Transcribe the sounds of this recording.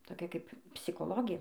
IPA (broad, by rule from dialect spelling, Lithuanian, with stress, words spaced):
toːˈkʲɛ kɐɪp pʲsʲɪkoːˈlˠoːɡʲeː